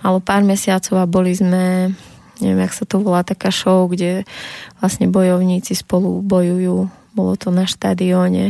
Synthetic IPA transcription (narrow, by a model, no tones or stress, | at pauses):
alɛpaːɾmɛsɪat͡sɔʊabɔlizmɛ | ɲɛ̰ʋɛmaksat̪ɔʋɔlaːt̪akaːʃɔʊɡɟɛʋlasɲɛbɔjɔʊɲiːt͡sispɔlubɔjujuː | bɔlɔ̰t̪ɔnaʃt̪a̰ːd̪iɔːɲɛ̰